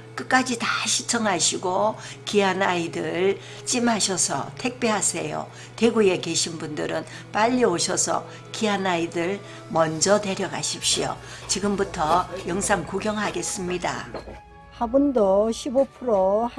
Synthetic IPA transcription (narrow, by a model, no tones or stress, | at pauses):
k͈ɯk͈ad͡ʑitaɕʰit͡ɕʰʌŋɦaɕʰiɡokianaidɯɭ | t͡ɕ͈imɦaɕʰʌsʰʌ̰tʰe̞k̚p͈eɦasʰe̞jo̰ | teɡuje̞ke̞ɕʰinbundɯɾɯn | p͈aʎːioɕʰʌsʰʌ̰ | kiɦanaidɯɭ | mʌnd͡ʑʌte̞ɾjʌɡaɕʰip̚ɕ͈io̰t͡ɕiɡɯmbutʰʌjʌŋsʰaŋkoɡjʌŋɦaɡe̞s͈ɯmɲida̰ | habundoɕʰibopʰuɾoh